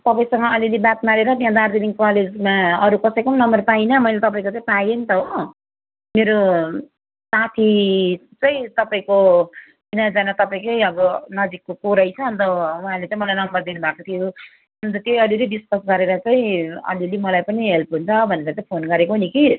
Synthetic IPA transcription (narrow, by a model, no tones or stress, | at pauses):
t̪ʌpaĩsʌŋɡʌʌlilibat̪̚naɾeɾʌt̪ãd̪aɾd̪iniŋkɔled͡zmaʌɾukʌsʌjkʌmnʌmʌrpainʌmʌijlet̪ʌpaĩkot͡sãĩpajenit̪ʌɦo | meɾo | sat̪ʰi | t͡sʌĩt̪ʌpaĩko | binad͡zanat̪ʌpaĩkʌjʌbʌnʌd͡zikːokoɾʌjt͡sʰʌʌnt̪ʌwɦãlet͡saĩmʌlajnʌmbʌrd̪inubʱakot̪ʰijo | ʌnt̪̬ʌt̪jejʌlilebiskʌsɡʌɾeɾʌt͡saĩʌ̰lilimʌlajpʌniɦelpɦunt͡sʰʌbʱʌneɾʌt͡saĩpʰonɡʌɾekoɦniki